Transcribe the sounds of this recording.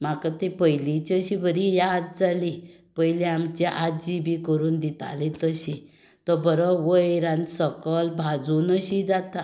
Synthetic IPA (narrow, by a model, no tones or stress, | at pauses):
makat̪epəjlit͡ɕəɕibəɾijad̪̚d͡zali | pəjleamt͡ɕeʔad͡ʑibikəɾuːnd̪it̪a̰let̪əɕi | t̪əbəɾəʋəjɾãnsəkəlbʱad͡zunəɕid͡zat̪a